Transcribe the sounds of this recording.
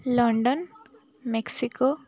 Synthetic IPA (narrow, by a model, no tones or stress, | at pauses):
lɔɳɖɔn | meksiko